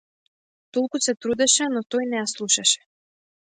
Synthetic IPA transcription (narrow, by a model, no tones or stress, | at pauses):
t̪olˠkusɛt̪ɾud̪ɛʃɛnɔt̪ɔjnɛjaslˠuʃaʃɛ̥